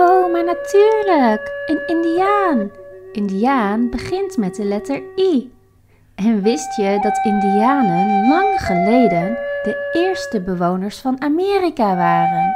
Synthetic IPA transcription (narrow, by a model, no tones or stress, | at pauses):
owmaːɹnatyːɹləkənɪndiaːnʔɪndiaːnbəχɪntmɛt̚dəlɛtəɹi | ɛnʋɪstjədɑtɪndiaːnənlɑŋχəlejdənd̥əɪːɹstəbəʋownəɹsfɑnamɪːrikaʋaːrən